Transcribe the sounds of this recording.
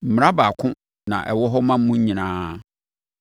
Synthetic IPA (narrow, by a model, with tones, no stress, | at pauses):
m̩˨m˨ɾa˦ba˨kʰʊ̃˦ | nã̰˨ʔɛ˨wɔ˦ɦɔ˦mã˦m̩˦mũ˦ɲĩ˨nãː˦